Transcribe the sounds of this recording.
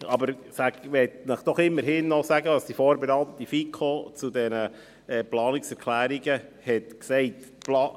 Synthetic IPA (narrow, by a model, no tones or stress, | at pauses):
ɑbəɾsæɡʋɛt̪nəχd̥ɔχɪmːəɾɦɪnːɔsæɡəɑsd̥ifoːɾbenɑt̪ifikʰot͡sudɛnə | ɛplɑːnɪksɛɾkʰlæːɾiɡəhɛtksɛɪtplɑ